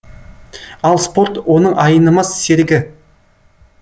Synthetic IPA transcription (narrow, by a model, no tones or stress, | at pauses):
ɑlˠspo̞ɾt̪wo̞nəɴʔɑjənəmɑsːeɾɡʲɪ